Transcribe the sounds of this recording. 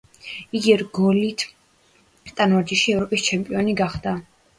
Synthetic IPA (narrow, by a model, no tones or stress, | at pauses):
iɡiɛɾɡɔlit̪ʰ | t̪ʼanvaɾd͡ʒiʃiɛvɾɔpʼist͡ʃʰɛmpʼiɔniɡaχd̪a